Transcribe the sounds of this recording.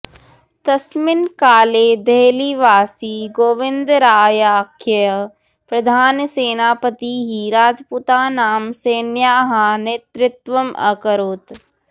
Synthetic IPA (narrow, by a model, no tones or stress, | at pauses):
t̪ɐsmɪnkaːleːd̪eːliʋaːsiːɡoːʋɪ̃nd̪ɾaːjaːkʰjə | pɾɐd̪ʱaːnseːnaːpət̪iɦiɾaːd͡ʒpuːt̪aːnaːmseːnjaːɦanet̪ɾɪt̪ʋəmɐ̰kəɾoːt̪